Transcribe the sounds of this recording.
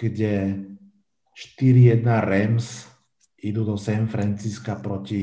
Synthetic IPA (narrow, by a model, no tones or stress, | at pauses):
ɡ̥ɟɛ | ʃt̪iɾijɛd̪naɾɛms | id̪ud̪ɔsɛnfɾɛnt͡siskapɾɔci